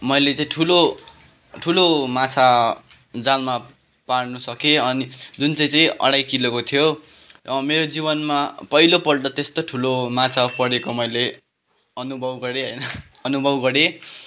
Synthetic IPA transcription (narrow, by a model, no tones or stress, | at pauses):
mʌjlet͡saĩʈʰulo | ʈʰulomat͡sʰa | d͡zalma | paɽnusʌkeʌnid͡zunt͡saĩt͡sʌ̃ĩʌ̰ɽajkilekot̪ʰijo | meɾod͡ziβʌnmapʌilopʌɽɖʌt̪est̪oʈʰulomat͡sʰapʌɽekomʌjle | ʌnubʱʌbɡʌɾeɦʌjnʌ | ʌnubʱʌbɡʌɾe